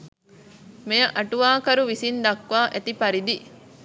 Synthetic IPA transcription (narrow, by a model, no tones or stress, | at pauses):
mejɐʔɐʈuʋaːkɐɾuʋisind̪ɐkʋaːʔet̪ipɐɾid̪i